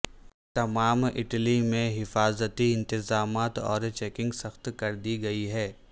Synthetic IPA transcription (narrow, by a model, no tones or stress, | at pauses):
t̪ɐmaːmɪ̰ʈlimẽɦɪfaːzət̪iɪ̃nt̪ɪzaːmaːt̪ɔ̰ːɾt͡ʃɛːkɪ̃ŋɡsɐxt̪kɐɾd̪iɡɐiɦɛː